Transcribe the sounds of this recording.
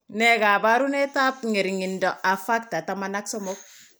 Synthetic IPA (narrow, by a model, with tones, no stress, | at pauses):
nɛ˦ka˨ba˦ɾu˦ne˦ta˦p̚ŋe˨ɾiŋi˨ndɔ˨ʔa˨fa˦k̚ta˨ta˨mana˦ksɔ˦mɔ˦k̚